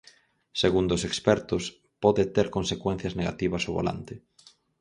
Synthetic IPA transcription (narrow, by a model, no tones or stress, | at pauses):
seɣund̪ʊsekspɛɾt̪ʊs | pɔðɪt̪eɾkonsekwen̟θjɐzneɣa̰t̪iβɐsoβo̰la̰nt̪ɪ